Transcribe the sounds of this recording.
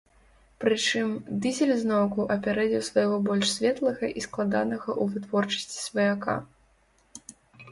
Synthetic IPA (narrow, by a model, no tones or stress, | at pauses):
pɾɨt͡ʂɨmd̪ɨzʲɛlʲznɔwkuʔɐpʲɛɾɛd͡zʲɛwsvɐjɣɔbɔlʲʂsʲvʲɛt̪lˠɐɣɐʔisklˠad̪anɐɣɐʔuvɨt̪vɔrt͡ʂɐ̥sʲt͡sʲi̥svɐjaka̰